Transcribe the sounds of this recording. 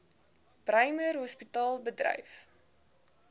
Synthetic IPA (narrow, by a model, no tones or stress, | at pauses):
prɐjmərɦɔspitɑːlˠbədrɐ̰jf